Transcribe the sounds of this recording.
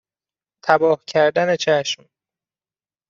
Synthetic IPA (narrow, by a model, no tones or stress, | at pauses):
t̪ʰæbɒːhcʰæɾd̪æne̞t͡ʃʰæʃm